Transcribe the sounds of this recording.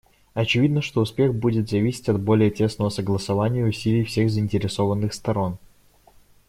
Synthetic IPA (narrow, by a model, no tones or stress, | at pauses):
ɐt͡ɕɪvʲid̪nəʂt̪o̞ʊspʲe̞ɣbudʲɪt̪zɐvʲisʲɪ̥tʲɐd̪bo̞lʲɪjətʲe̞snəvəsəɡlˠəsɐvanʲɪjəʊsʲilʲɪjfsʲe̞ɣzəɪnʲtʲɪɾʲɪso̞vənːɨxst̪ɐɾo̞n